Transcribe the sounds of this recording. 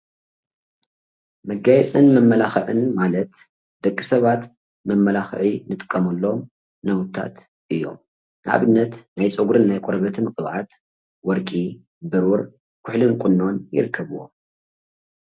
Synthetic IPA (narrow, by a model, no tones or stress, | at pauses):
mɐɡajɛt͡sʼɨnmɐmːɐlaxɐʕɨ̰nmalɐt̪ | d̪̥ɐkʼːisɐβat̪ | mɐmːɐlaxʕinɨt̪ʼɨ̥kʼːɐmɐlːo̞m | nɐwt̪ʰːa̰t̪ | ʔɨjːo̞̰m | nɨʔa̰βɨnːɐt̪najt͡sʼoɡɾɨnːajkʼoɾβɐt̪ʰɨnqʼɨβʕat̪ | wɔɾkʼi | bɨɾuɾ | kʰʊħlɨnkʼunːo̞njɪ̰ɾɨkʰːɐβuwo̰